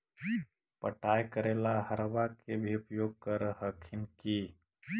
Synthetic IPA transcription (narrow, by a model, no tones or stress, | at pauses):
pə̰ʈajkəɾelaɦəɾbakebʱiʊpjoɡ̚kəɾhəkʰɪnki